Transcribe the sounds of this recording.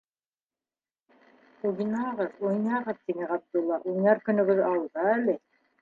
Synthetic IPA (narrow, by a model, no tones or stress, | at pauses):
uɡinɑʁɤðujnɑʁɤðt̪iŋɘqɑt̪̚lˠulˠɑɾujnɑɾkɵ̆nɵ̆ɡɵðɑw̪ˠd̪ɑælɘ